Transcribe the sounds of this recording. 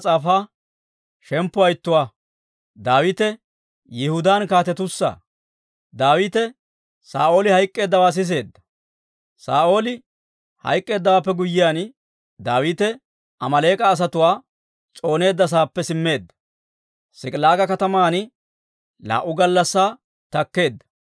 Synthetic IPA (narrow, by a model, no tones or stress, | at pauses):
t͡sʼaːfaː | ʃɛmpːʊɐjt̪ːʊwaː | d̪aːwiːt̪ɛ | jɛhʊd̪aːnkaːt̪ɛt̪ʊsːa̰ː | d̪aːwiːt̪ɛ | saːʔo̞ːlɪhɐjkʼːe̞ːd̪ːɐwaːs̬ɪs̬e̞ːd̪ːɐ̥ | saːʔo̞ːlɪ | hɐ̰jkʼːe̞ːd̪ːɐwaːpːɛɡʊjːɪjaːn | d̪aːwiːt̪ɛ | ʔɐmɐle̞ːkʼɐːs̬ɐt̪ʊwaː | t͡sʼo̞ːne̞ːd̪ːɐs̬aːpːɛsɪmːe̞ːd̪ːɐ̥ | sɪkʼlaːɡɐkɐt̪ɐmaːn | la̰ːʔːʊɡɐlːɐsːaː | t̪ɐkːe̞ːd̪ːɐ̥